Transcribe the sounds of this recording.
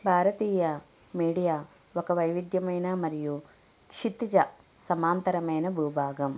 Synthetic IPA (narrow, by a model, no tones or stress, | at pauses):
bʱaːɾɐt̪iːjɐ | miːɽijaː | ʋokɐʋɐjʋid̪jɐmɐjnɐmɐɾiju | kʂit̪ːid͡ʒɐ | sɐmaːnt̪ɐɾɐmeːnɐbʱuːbʱaːɡɐm